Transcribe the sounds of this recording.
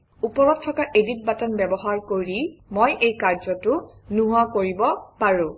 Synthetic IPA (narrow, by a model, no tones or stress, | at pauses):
upɔɹɔttʰːɔkaʔedit̚batɔnbɛbɔɦaɹkoɹimojʔejkaɹzɔtʊnuɦʊakoɹibɔpaɹʊ̃